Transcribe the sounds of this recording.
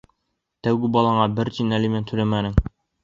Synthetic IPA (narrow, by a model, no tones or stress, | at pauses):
t̪æwɡɘbɒlˠɑɴɑbɘɾt͡ʃ̪inælimænt̪ʰɵɾæmænɘŋ